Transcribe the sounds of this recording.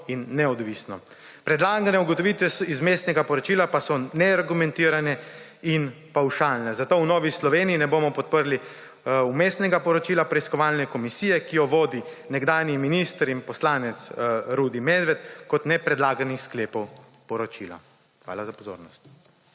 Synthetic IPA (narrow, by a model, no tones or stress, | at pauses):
inːɛɔd̪ʋiːsnɔ | pɾɛd̪laːɡanɛuɡɔt̪ɔʋit̪ʋɛsizmeːsnɛɡapɔɾɔt͡ʃiːlapasɔnɛaɾɡumɛ̃nt̪iːɾanɛ | in | pawʃaːlnɛzat̪oːwnɔːʋislɔʋeːniːnɛboːmɔpɔt̪̚pəɾli | umeːsnɛɡapɔɾɔt͡ʃiːlapɾɛiskɔʋaːlnɛkɔmisiːjɛkijɔʋoːd̪i | nɛɡd̪aːnjiminist̪ɾinpɔslaːnɛt̪sɾuːd̪imeːd̪ʋɛt̪kɔt̪nɛpɾɛd̪laːɡanixskleːpɔw | pɔɾɔt͡ʃila̰ | xʋa̰ːlazapɔzo̰ːɾnɔst̪